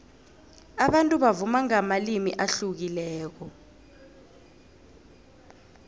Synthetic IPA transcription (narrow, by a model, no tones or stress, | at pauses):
aɓantʼuɓavumaŋamalimiʔaɬuk̬ilɛːk̬ɔ